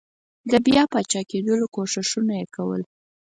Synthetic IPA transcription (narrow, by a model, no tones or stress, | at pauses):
d̪əbjɑpɑt͡ʃɑked̪əlokoʂɪʃunajekawə̰l